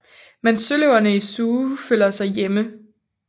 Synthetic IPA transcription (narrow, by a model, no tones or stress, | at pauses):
mensøləʊɐnəisuːføl̰ɐsɑ̈ɪjemə